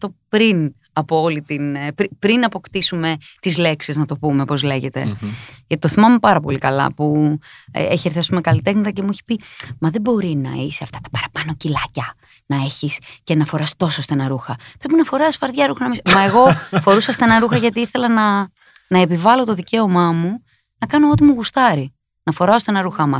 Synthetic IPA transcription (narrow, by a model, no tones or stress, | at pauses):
t̪opɾin | ɐpoolit̪inpɾipɾinɐpo̞kt̪isume̞t̪izle̞ksiznɐt̪o̞pume̞po̞zle̞ʝe̞t̪ḛʝɐt̪it̪oθimɐmepɐɾɐpo̞̰likɐlɐ̰pṵ | eçieɾθjɐsumekɐlit̪exnɐt̪ɐce̞mueçi̥pimɐðe̞bo̞ɾinɐ̰iseɐft̪ɐ̥t̪ɐ̥pɐɾɐpɐno̞cilɐcɐ | nɐe̞çisce̞nɐfo̞ɾɐst̪o̞sost̪enɐɾuxɐpɾe̞pinɐfo̞ɾɐsfɐɾðʝɐɾuxɐnɐmismɐe̞ɣo̞fo̞ɾusɐst̪enɐɾuxɐʝɐt̪iiθe̞lɐnɐ | nɐepivɐlo̞t̪o̞ðice̞o̞mɐmu | nɐkɐno̞ot̪imuɣust̪ɐɾi | nɐfo̞ɾɐost̪enɐɾuxɐmɐ